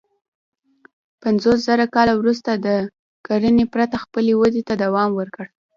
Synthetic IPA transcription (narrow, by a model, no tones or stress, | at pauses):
panzos̬zaɾakɑlawɾust̪ad̪ə | kaɾənepɾat̪axpəlewad̪et̪ad̪awɑmwəɾkəɽ